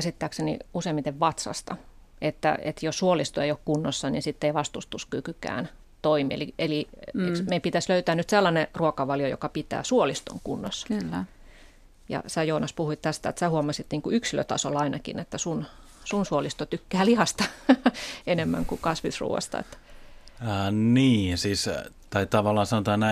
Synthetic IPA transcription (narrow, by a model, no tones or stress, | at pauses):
æsit̪ːæːksenḭuseimːit̪eʋʋɑt̪sɑ̰st̪ɑ | et̪ːæ̰ḛt̪jossuolist̪oeijokkunːosːɑnḭnsit̪ːeiʋɑst̪ust̪uskykykæ̰ːn | t̪oimḭːḛlieliemeipit̪æsløyt̪æːnyt̪selːɑneruokɑʋɑljojo̰kɑpit̪æ̰ːsuolist̪o̰ŋkunːosːɑlː | jɑ̰sæjoːnɑspuhuit̪t̪æst̪æet̪sæːhuomɑsit̪niːŋkuyksilø̰t̪ɑsolɑinɑkḭnet̪ːæsun | sunsuolist̪ot̪ykːæːlihɑst̪ɑ | enemːæ̰ŋkukɑsʋisrṵːʋɑ̰st̪ɑ̰ḛt̪ː | niːsiːs | t̪ɑit̪ɑʋɑlːˑɑːsɑnot̪ɑːnæ